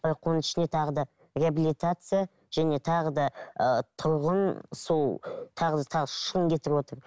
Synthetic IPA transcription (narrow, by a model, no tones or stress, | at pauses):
bɪɾɑqwonəɪʃɪne̞t̪ʰɑʁəd̪ɑ | rʲeabilijt̪at̪sɨja | ʒ̥æne̞t̪ʰɑʁəd̪ɑət̪ʰʊɾʁənso̞lˠt̪ʰɑʁəd̪ɑt̪ʰɑʁʃʃəʁənkʲʰe̞t̪ɪɾɪbwot̪əɾ